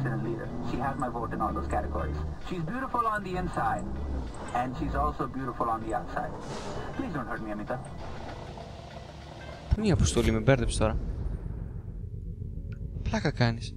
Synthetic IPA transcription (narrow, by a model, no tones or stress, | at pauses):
sɛɾəliːɾə̰˞ʃiɦæzmaɪvoʊɾɨ̃nɔːlˠd̪oʊz̥kʰæɾəɡɔ̰ɹḭz̥ʃizbjuːɾɪfʊlə̃nd̪iɪ̃nsaɪd | ɛ̃nʃizɔlsoʊbjuːɾɪfəlˠə̃nðiaʊtsa̰ɪd̚pliːzdõn̚ɦə˞ʈ̚miəmit̪a | pumiɐpost̪olimebeɾðepst̪o̞ɾɐ | plɐkɐkɐnis